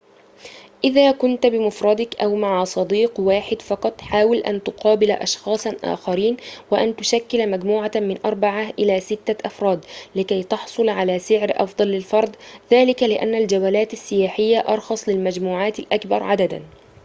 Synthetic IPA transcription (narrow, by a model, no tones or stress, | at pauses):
ʔɪðaːkʊnt̪bɪmʊfɾˤɑd̪ɪkʔawmaʕsˤɑd̪iːqwaːħɪd̪fɑqɑt̪ˤħaːwɪlʔa̰nt̪ʊqɑːbɪla̰ʔɑ̰ʃxɑːsˤʔa̰ːxaɾiːnwaʔant̪ʊʃakːɪlmad͡ʒmuːʕamɪnʔɑɾˤbaʕaʔɪlaːsɪt̪ːaʔɑfɾˤɑːd̪lɪkajt̪ɑħsˤʊlʕalaːsɪʕɾʔɑ̰fd̪ˤɑlːɪlfɑɾˤd̪ˤðaːlɪkalɪʔa̰nːald͡ʒawaːlaːt̪asːɪjaːħɪjːaʔɑɾˤxɑsˤlɪlmad͡ʒmuːʕaːt̪alʔakbɑ̰ɾˤʕad̪ad̪a̰